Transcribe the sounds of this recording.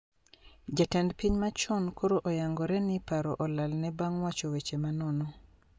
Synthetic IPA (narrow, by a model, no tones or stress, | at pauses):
d͡ʒatɛndpiɲmat͡ʃɔnkʰoɾoʔɔjaŋɡɔɾɛnɪpaɾɔʔɔlalnɛbaŋwat͡ʃowet͡ʃemanɔnɔ